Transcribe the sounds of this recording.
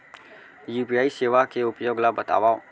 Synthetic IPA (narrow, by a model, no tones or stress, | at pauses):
juːpijaːiseːʋakeʊpjoːɡlabɐt̪a̰ːʋaːo